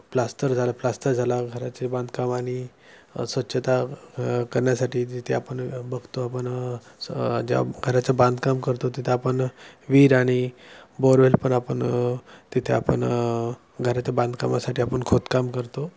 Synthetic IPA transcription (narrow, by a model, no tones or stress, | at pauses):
plast̪ʰəɾd͡zʱalaplast̪əɾd͡zʱalaɡʱəɾat͡sebãnd̪kamaɽ̃i | sʋətːɕʰət̪akəɾɳjasaʈʰiːd͡ʑit̪ʰeapəɳbəɡʱt̪oapəɳ | d͡ʑa̰ɡʱəɾat͡sabãnd̪ʱkamkəɾt̪ot̪it̪ʰeapəɳʋiːɾaɽ̃iboɾʋelpəɳapəɳt̪it̪ʰeapə̰ɳ | ɡʱəɾat͡ɕabãnd̪ʱkamasaʈiːapəɳkʰot̪kamkəɾt̪o